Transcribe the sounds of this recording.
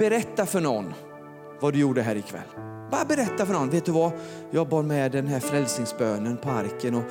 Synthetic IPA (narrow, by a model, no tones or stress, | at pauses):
b̥ɛɾɛt̪ːafœɳɔnː | vad̪ɵjuːɖəɦæːɾɪkʰvɛ̰lːbɑɾabɛɾɛt̪ːafœɳɔnveːt̪̚d̪ɵva | jɑːɡ̚bɑːɾmɛd̪ɛnɦæɾfɾɛlsnɪŋsbøːnənpʰɔa̰ɾkənɔ